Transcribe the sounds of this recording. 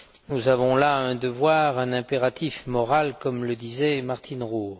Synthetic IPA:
nuzavɔ̃laɛ̃d̪əvwaʁɛ̃nɛ̃peʁat̪ʰifmɔʁalkɔmləd̪izɛmaʁt̪ʰinʁuː

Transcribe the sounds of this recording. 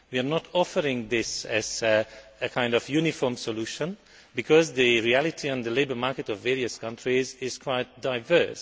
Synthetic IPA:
wiənɔtʰɔfəɾɪ̃ŋðɪsɨzɨkʰãɪ̃ndɔvjunɪfɔːɹmsɔluʃə̃n | bɨkʰɔzðɨɹiælɪtʰiə̃nðəleɪbə˞maɹkɨtɔvːɛɹiɨskʰʌ̃ntʰɹizɪz̥kʰw̥aɪt̚d̥aɪvɜ˞s

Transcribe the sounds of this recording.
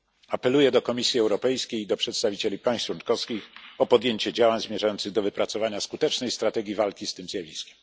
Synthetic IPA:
apɛlujɛd̪ɔkɔmʲisʲjiɛwɾɔpɛjskʲejid̪ɔpʂɛt̪st̪avʲit͡ɕelʲipaj̃st̪wunkɔfskʲixɔpɔd̪jeɲt͡ɕɛd͡ʑawaɲzmʲjɛʐajɔntsɘɣd̪ɔvɘpɾat̪sɔvaɲaskut̪ɛt͡ʂnɛjst̪ɾat̪ɛɡʲjivalkʲist̪ɘmzʲjavʲiskʲɛmm

